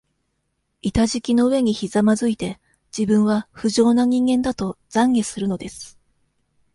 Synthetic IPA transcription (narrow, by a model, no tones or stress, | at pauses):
it̪aʑikʲino̞ɯ̟βe̞ɲ̟içizamazɨit̪e̞ | d͡ʑibɯ̟̃ɰ̃βaɸɯ̟ʑo̞ːnaɲ̟ĩŋɡẽ̞nd̪at̪o̞z̥ãŋɡe̞sɨɾɯ̟no̞d̪e̞sɨ̥